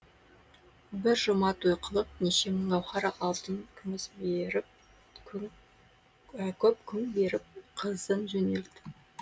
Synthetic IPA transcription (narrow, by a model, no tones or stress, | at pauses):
bɪɾʒʊmɑt̪ojqʰəlˠəp̚neʃe̞məɴɑwχɑɾɑʔɑlˠt̪ənkʲʰʏmɪsbeɾɪp̚ | kʲʰɵp̚kʲʰʏŋbe̞ɾɪp̚qʰəzənʒɵneld̪ɪ̥